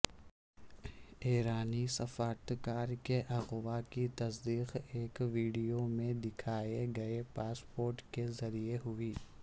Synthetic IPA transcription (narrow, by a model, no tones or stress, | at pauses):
eːɾaːnisɐfaːɾt̪kaːɾkeʔɐɣwakit̪ɐsd̪iːqeːkʋiːɖijomẽd̪ɪkʰaːeɡɐepaːspoːɾʈkezɐɾieɦʊiː